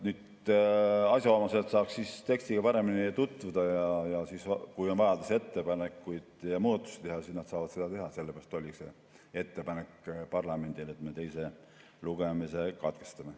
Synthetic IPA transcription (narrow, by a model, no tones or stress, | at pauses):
nyːd̪ | ɑsʲjɑomɑset̪sɑːkssist̪e̞kst̪iɡ̥ɑpɑɾe̞minit̪ut̪ːˑvud̪̥ɑjɑjɑsiskujo̞nvɑjɑd̪̥use̞t̪ːe̞pɑnekːˑujd̪̥jɑmuːd̪ɑt̪ːˑu̥si̥t̪e̞ɦɑsisnɑd̪̥sɑːvɑd̪se̞d̪̥ɑt̪e̞ɦɑse̞lːepeɾɑst̪olʲikse | e̞t̪ːe̞pɑnekˑpɑrlɑme̞nd̪ilet̪me̞t̪e̞jse̞ | luɡ̥e̞mise̞kɑt̪ke̞̥st̪ɑme